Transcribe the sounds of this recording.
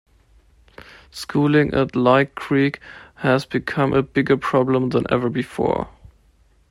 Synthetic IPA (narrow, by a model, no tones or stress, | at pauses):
skʰulɪ̃ŋʔə̰tlaɪt̚kʰɹ̥ikhəzbɨkʰʌ̃mʔəbɪɡə˞pʰɹ̥ɑblə̃mðə̃nʔɛ̰və˞bɨfɔ̰ɹ